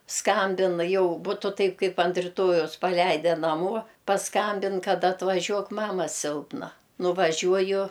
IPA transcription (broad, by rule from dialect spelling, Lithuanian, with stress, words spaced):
ˈskɐmʲbʲɪn ˈjɛʊ ˈbʊtʊ tɐɪp ˈkɐɪp ɐnt rʲɪˈtoːjɛʊs pɐˈlʲɛɪdʲɛ nɐˈmuɔ pɐˈskɐmʲbʲɪn ˈkɐt ɐtʋɐˈʒʲuɔk ˈmɑːmɐ ˈsʲɪlˠpnɐ nʊʋɐˈʒʲuɔjʊ